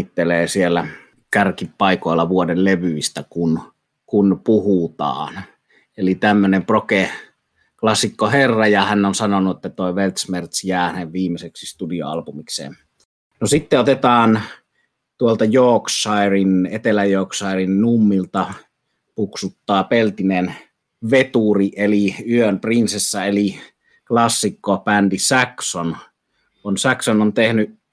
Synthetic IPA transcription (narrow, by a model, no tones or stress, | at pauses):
t̪ːeleːsielːæ | kærkippɑikoˑelːɑʋuodelleʋyist̪ækun | kunpuhut̪ɑ̰ːn | elit̪æmːønemproke | klɑsikːoherːɑjɑhænːonsɑnonuet̪ːæt̪oˑeʋelt̪smert̪sjæːhæneʋʋiːmːˑeseksist̪udio̰ɑ̰lpumiksḛːn | nosit̪ːeot̪et̪ɑːn | t̪uolt̪ɑjoːksˑɑirinet̪elæjoːksˑɑˑerinnumːilt̪ɑ | puksut̪ːɑːpelt̪inen | ʋet̪uriʔeliyømprinsesːæeli | klɑsːikːopændisækson | konsæksonont̪ehnyʔ